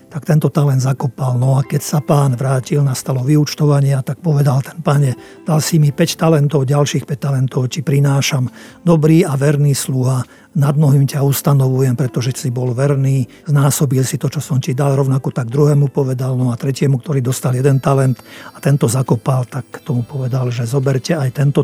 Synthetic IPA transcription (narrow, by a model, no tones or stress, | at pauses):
t̪ak̚t̪ɛnt̪ɔt̪alɛnd̪zakɔpalnɔakɛcsapaːnʋɾaːcilnast̪alɔʋiut͡ʃt̪ɔʋaɲɪat̪ak̚pɔʋɛd̪alt̪ɛ̥npaɲɛ | d̪̥alsimipɛct̪alɛnt̪ɔʊɟalʃiːxpɛc̚t̪alɛnt̪ɔʊcipɾinaːʃamd̪ɔbɾiːaʋɛɾniːsluɦa | nad̪̚mɔɦimcaust̪anɔʋujɛmpɾɛt̪ɔʒɛsibɔlʋɛɾniː | znaːsɔbilsit̪ɔt͡ʃɔsɔmcid̪alɾɔʊnakɔt̪aɡ̚d̪ɾuɦɛːmupɔʋɛd̪alnɔat̪ɾɛcɪɛmukt̪ɔɾiːd̪ɔst̪aljɛd̪ɛnt̪alɛnt̪at̪ɛnt̪ɔzakɔpalt̪akt̪ɔmupɔʋɛd̪alʒɛzɔbɛɾcɛajt̪ɛnt̪ɔ